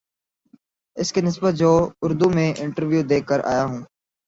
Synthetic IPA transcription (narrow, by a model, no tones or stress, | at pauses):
ɪskenɪsbət̪̚d͡ʑoːʊɾd̪uːmẽːʔɪɳʈəɾʋjuːd̪eːkəɾa̰ːjaːɦũː